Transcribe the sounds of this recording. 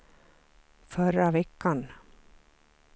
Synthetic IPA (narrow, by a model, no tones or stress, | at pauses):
fœɾavɛkːan